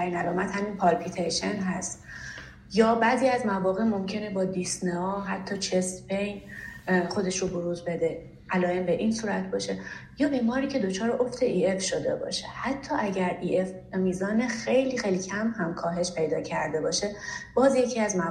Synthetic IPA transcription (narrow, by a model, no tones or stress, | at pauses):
æɾiːnælɒːmæt̪hæmiːnpʰɒɾpʰit̪ʰejʃenɦæst̪ | jɒːbæːziːæzmævɒːɣemo̞mcʰe̞nebɒːd̪isneɒːɦæt̪ʰːɒːt͡ʃʰest̪pejn | xo̞d̪e̞ʃɾoboɾuːzbe̞d̪e̞ | ʔælɒːjembe̞ʔiːnsuːɾæt̪̚ʰbɒːʃe̞jɒːbiːmɒːɾiːcʰe̞d̪o̞t͡ʃʰɒːɾeʔo̞ft̪ʰe̞ʔiːe̞fʃo̞d̪e̞̰bɒ̰ːʃe̥hæt̪ʰːɒːʔæɟæɾiːʔef | miːzɒːnexe̞jliːxejlicʰæmhæmkʰɒːɦe̞ʃpʰe̞jd̪ɒːcʰæɾd̪e̞bɒːʃeb̥ɒːzje̞cʰiːæzmæ